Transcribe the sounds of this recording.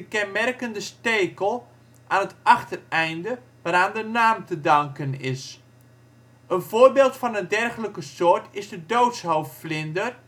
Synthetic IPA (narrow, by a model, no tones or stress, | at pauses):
əkɛnmɛrkəndəsteːkəlˠ | ʔaːnətɑχtərɛjndə | ʋaːɾaːndənaːmtədɑŋkənɪs | ənvoːrbeːlˠtfɑnəndɛrχələkəsoːɹtʰɪzdədowtshowfflɪndər